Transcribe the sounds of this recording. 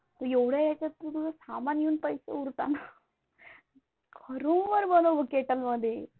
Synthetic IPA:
t̪əjeʋɽ̤jajat͡ɕat̪ːut̪ud͡zasamanjuːnpəjsḛuɾt̪ana | kʰəɾuːnʋəɾbənoʋəkeʈəlməd̪ʱje

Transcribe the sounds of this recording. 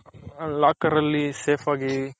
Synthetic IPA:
laːkɐɾɐlːiseːpʰaːɡi

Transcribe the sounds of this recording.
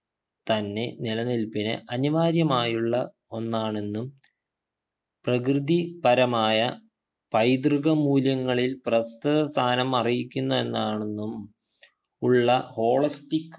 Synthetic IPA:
t̪ɐnːe̞nilɐnilpinɨ̰ʔɐniʋaːɾjɐmaːjuɭːɐ | o̞nːaːɳe̞nːum | prɐkrɨd̪ipɐɾɐmaːjɐ | pɐjd̪rɨɣɐmuːljɐŋːɐɭilprɐst̪ɐðɐst̪ʰaːnɐmɐrijikʲːunːɐe̞nːaːɳenːum | uɭːɐho̞ːɭɐstikː

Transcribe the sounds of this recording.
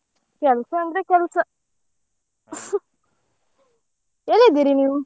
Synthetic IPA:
kʲalsand̪ɾakʲalsa | jeled̪iɾiniu

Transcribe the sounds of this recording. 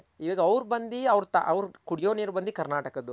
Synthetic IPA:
iʋɐːɡɐɐʋɾbɐnd̪iɐʋɾt̪ɐ̰ʔɐʋɾkuɽjoːniːɾbɐnd̪ikɐɾnaːʈɐkɐd̪u

